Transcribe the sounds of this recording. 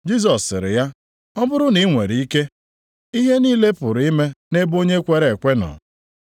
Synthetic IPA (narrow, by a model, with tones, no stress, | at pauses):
d͡ʒi˦z̬ɔ˨sːɪ̰˨ɾɪ̰˨ja˦ | ɔ˦bʊ˦ɾʊ˦ni˨˦ŋʷḛ˨ɾi˨i˦ke˦ | i˦ɦe˦niː˦le˦pʊ˨ɾi˦me˦ne˦bo˦ɲe˦kʷe˦ɾe˨kʷe˦nɔ̰˨